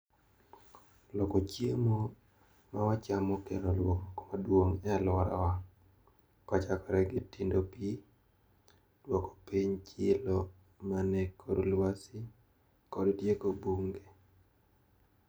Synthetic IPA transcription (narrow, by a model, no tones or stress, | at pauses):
lɔkɔt͡ʃjemo | mawat͡ʃamɔkɛɾɔlwɔŋkmadwoŋɛalwaɾa̰wa | kɔt͡ʃakɔɾɛɡɪtindopi | d̥wɔkɔ̥piɲt͡ʃɪlɔ | manɛkʰːoɾolwasɪ | kɔddjekobuŋɡe